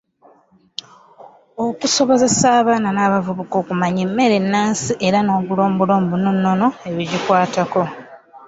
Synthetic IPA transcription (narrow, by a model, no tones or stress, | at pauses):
o̞kuso̞βo̞ze̞saːβaːnanaːβavuβuko̞ːkumaɲemːe̞ɾe̞nːaːnsiʔe̞ɾano̞ːβulo̞ːmbulo̞ːmbununːo̞no̞e̞βiɟikwaːtako̞